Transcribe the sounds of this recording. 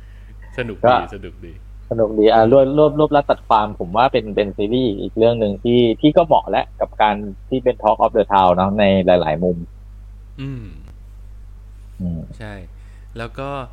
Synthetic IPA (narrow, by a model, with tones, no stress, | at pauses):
sa˧nu˨˩kɔː˥˩˧a˧nu˨˩k̚iː˧ | sa˧nu˨˩k̚diː˧˩ʔaː˨˩lu˥˩ət̪̚lu˥˩əp̚lu˥˩p̚la˦˥t̪̚sa˨˩t̪̚kʰwaː˧mpʰo˩˦mwaː˥˩pe˧npe˧nsiː˧liː˥˩ʔḭː˨˩k̚ɾɯ˥˩əŋnɯ˧ŋt̪ʰiː˥˩t̪ʰiː˥˩kɔː˥˩mɔ̰˨˩ʔlɛ˦˥ʔka˨˩p̚kaː˧nt̪ʰiː˥˩pe˧nt̪ʰɔː˦˥k̚ʔɔː˦˥p̚dɤː˧t̪ʰaː˧wnɔ˦˥na˧jlaː˩˦jlaː˩˦jmu˧m | ʔɯː˧˩m | ʔɯː˧˩mt͡ɕʰa˥˩j | lɛː˦˥wkɔː˥˩